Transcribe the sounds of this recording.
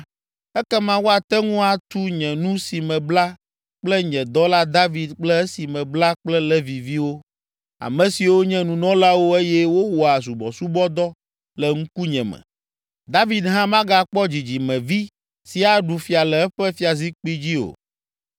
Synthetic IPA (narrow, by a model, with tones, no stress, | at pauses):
ɛ˦kɛ˦mã˦wo˦a˨t̪ɛ˦ŋũ˦a˦t̪u˦ɲɛ̃˨nũ˦si˨mɛ̃˨bla˦ | k͡plɛ˦ɲɛ̃˨d̪ɔ˦la˦d̪a˦vi˨d̪k͡plɛ˦ɛ˦si˨mɛ̃˨bla˦k͡plɛ˦lɛ˦vi˨vi˦wo˦ | a̰˨mɛ̃˨si˨wo˦ɲɛ̃˦nũ˨nɔ̃˦la˦wo˦e˦jɛ˦wo˦wɔ˨a˨su˨bɔ˨su˦bɔ˦d̪ɔ˦ | lɛ˨ŋ̩̃˦ku˦ɲɛ̃˨mɛ̰̃˨ | d̪a˦vi˨d̪ɦã˦mã˦ɡa˦k͡pɔ˦d͡ʑi˨d͡ʑi˨mɛ̃˨vi˦ | si˨a˨ɖu˨fi˨a˨lɛ˨ɛ˦ɸɛ˦fi˦a˨zi˦k͡pi˦d͡ʑi˦o̰˨